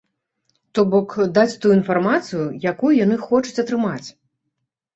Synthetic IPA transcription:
t̪ɔbɔkd̪at͡sʲt̪ujuinfarmat̪sɨjujakujujan̪ɨxɔt͡ʂu̥t͡sʲɐt̪ɾɨmat͡sʲ

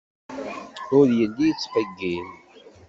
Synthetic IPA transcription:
ʊɾjəlːit͡sːqəɡːin

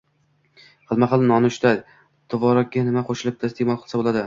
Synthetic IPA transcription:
halˠmaχalˠnɒnʊʃt̪aj | t̪ʰɒvɒɾɒk̚ʲːanɪmaqʰoʃɪlɪp̚t̪ʰast̪emɒlˠqʰɨlˠsabolˠad̪ɪ

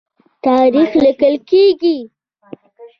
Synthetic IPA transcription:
t̪ɑɾixlɪkəlkeɡi

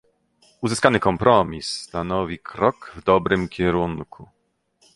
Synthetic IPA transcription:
uzɘskanɘkɔmpɾʔɔmʲisːt̪anɔvʲikʰɾɔkvd̪ɔbɾɘmkʲɛɾuŋkʰu

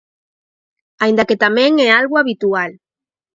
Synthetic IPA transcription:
ajind̪aket̪amẽŋealɣuaβit̪ual

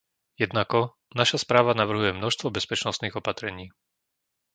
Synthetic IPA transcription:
jɛd̪nakɔ | naʃaspɾaːʋanaʋr̩ɦujɛmnɔʃst̪ʋɔbɛspɛt͡ʃnɔst̪niːɣɔpat̪ɾɛɲiː

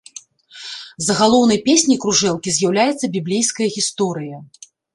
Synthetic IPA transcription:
zɐɣalˠɔwnɐjpʲesʲnʲijkɾuʐɛlˠkʲizʲjawlʲajɛt̪sːɐbʲiblʲejskɐjɐɣʲist̪ɔɾɨjɐ

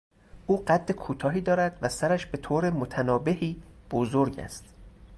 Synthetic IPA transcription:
ʔuːɢæd̪ːekʰuːt̪ʰɒːɦiːd̪ɒːɾæd̪væsæɾæʃb̥e̞t̪ʰoːɾe̞mot̪ʰænɒːbe̞hiːb̥ozoɾɟæ̰st̪

